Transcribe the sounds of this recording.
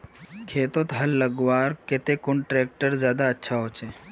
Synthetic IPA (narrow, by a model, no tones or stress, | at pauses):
kʰeːt̪ot̪ɦɐlːɐɡʋaːɾket̪ekʊɳʈɾeːk̚ʈəɾzjaːd̪aɐtːʃʰaɦoːt͡ʃʰeː